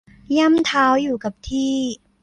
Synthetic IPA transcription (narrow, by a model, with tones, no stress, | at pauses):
ja˥˩˨mt̪ʰaː˦˥wjuː˨˩ka˨˩p̚t̪ʰiː˥˩